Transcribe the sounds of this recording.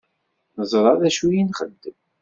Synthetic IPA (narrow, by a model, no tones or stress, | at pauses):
nəzˤɾˤɑðæʃujinχə̰mt̪əm